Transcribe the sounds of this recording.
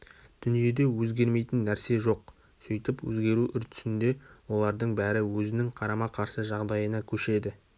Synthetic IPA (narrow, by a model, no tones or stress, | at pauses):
d̪̥ʏnije̞d̪e̞wɵzɡʲe̞ɾme̞jt̪ɪnːæɾse̞ʒo̞q | sojt̪əpwɵ̰zɡʲe̞ɾuʔʏɾt̪ʰʏ̥sɪnd̪e̞wo̞lˠɑɾd̪əɴbæɾɪwɵzɪnɪŋqʰɑɾɑmɑqʰɑɾsəʒɑʁd̪ɑjənɑkʲʰɵʃe̞d̪ɪ